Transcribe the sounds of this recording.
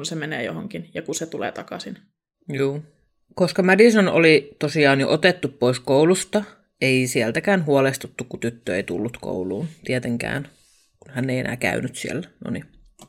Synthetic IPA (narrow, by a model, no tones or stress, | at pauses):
nsemeneːjo̰ɦoŋkinjɑkuset̪ulḛːt̪ɑkɑsin | juː | koskɑmædisono̰lit̪osiɑːnjoʔot̪et̪ːuppoiskowlust̪ɑ | eisielt̪ækæːnɦuolest̪ut̪ːukkut̪yt̪ːøeit̪ṵlːut̪ko̰wluːnt̪iet̪eŋkæ̰ːn | kunhænːeiḛnæ̰ːkæ̰ynyt̪siḛlːæno̰ni